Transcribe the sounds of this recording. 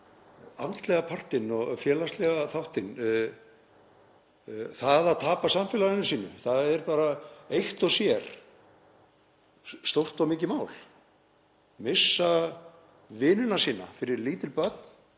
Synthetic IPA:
a̰nt̪lɛɣapʰar̥t̪ɪnɔɣfjɛːlast̪lɛɣaθawht̪ɪn | θaðaðt̪ʰaːpasamfɛːlaðɪnʏsiːnʏ̰θaðɛɾpaːɾaejht̪ɔsjɛɾ̥ | st̪owr̥t̪awmɪːcɪmaːwl | mɪsːa | vɪːnʏnasiːna̰fɪɾɪɾliːt̪ɪlpœt̪n̥

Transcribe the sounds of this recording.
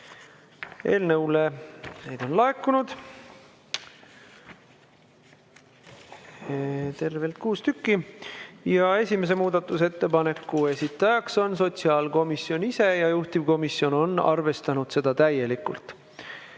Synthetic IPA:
e̞̰ːlnɤwlene̞jd̪̥o̞nlɑe̞kːunud̪̥ | t̪e̞rve̞lt̪̚kuːst̪ykˑːi | jɑe̞sʲime̞s̬e̞muːd̪̥ɑt̪ːˑuse̞t̪ːe̞pɑne̞kːue̞sit̪ːˑɑjɑkso̞ns̬o̞t̪ʲsiɑːlko̞misio̞nise̞jɑjuht̪ivko̞misjo̞no̞nːɑ̰rve̞st̪ɑnud̪̥se̞d̪̥ɑt̪æje̞likːṵlt̪ːˑ

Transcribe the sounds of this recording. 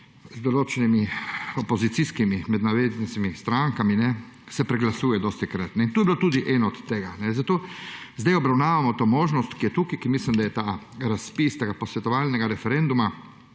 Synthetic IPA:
zd̪ɔloːt͡ʃɛnimiɔpɔzit̪siskimimɛd̪naʋeznisimist̪ɾaŋkaminɛ | sɛpɾɛɡlasuːjɛd̪ɔst̪ɛkɾat̪nɛint̪oːjebilot̪uːd̪iʔɛːnɔɔt̪ːeːɡanɛzat̪oːzd̪ajɔbɾawnaːʋamɔt̪oːmoːʒnɔst̪kijɛt̪uːkikimislimd̪ajɛt̪aːɾaspist̪eɡapɔsʋɛt̪ɔʋaːlnɛɡaɾɛfɛɾɛnd̪uma

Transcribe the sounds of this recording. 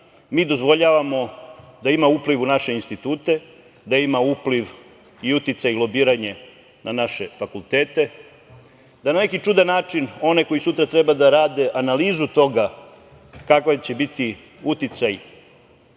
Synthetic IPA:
miːd̪o̞zʋo̞ʎaːʋamo̞d̪aimaupliʋunaʃe̞inst̪it̪uːt̪e̞ | d̪aimaupliʋ | iut̪it̪sajilˠo̞biːɾaɲe | nʔanaʃefakulˠt̪eːt̪e̞ | d̪anane̞kit͡ʂud̪anːaːt͡ʂino̞neko̞isut̪ɾat̪ɾebad̪aɾaːd̪e̞ʔanaliːzut̪o̞ɡa | kakʋat͡ɕe̞bit̪i | ut̪it̪saj

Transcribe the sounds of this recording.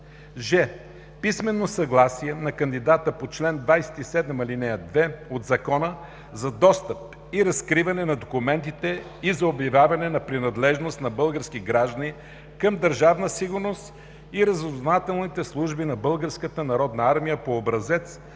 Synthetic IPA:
ʒɛ | pismɛnːosɐɡlˠasiɛnɐkɐnd̪id̪at̪əpot͡ʃlɛnd̪vajsɛ̥t̪isɛd̪ɛmɐlinɛjəd̪vɛod̪zɐkɔnə | zɐd̪ɔst̪əp̚ | iɾɐskɾivɐnɛnɐd̪okumɛnt̪it̪ɛ | izɐobjɐvʲjavɐnɛnɐpɾinɐd̪lɛʒnost̪nɐbɤlˠɡəɾsk̟iɡɾaʒd̪əni | kəmd̪əɾʒavnəsiɡʊɾnost̪ | iɾɐzoznat̪ɛlˠnit̪ɛslˠuʒbinɐbɤlˠɡəɾskət̪ənɐɾɔd̪nɐaɾmijəpoːbɾɐzɛt̪s

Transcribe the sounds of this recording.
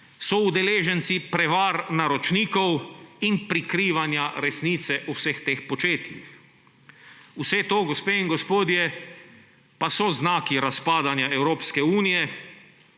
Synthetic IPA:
sɔud̪ɛleːʒɛnt̪sipɾɛʋaːɾnaɾɔt͡ʃniːkɔwinpɾikɾiːʋanjaɾɛsniːt̪sɛʔuwsɛxt̪eːxpot͡ʃeːt̪jḭx | usɛt̪oːɡospeːiŋɡospoːd̪jɛ | pasɔznaːkiɾaspaːd̪anjaɛwɾoːpskɛuːnijɛ

